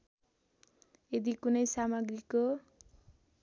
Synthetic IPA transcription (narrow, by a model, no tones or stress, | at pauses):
ed̪ikunʌjsamʌɡriko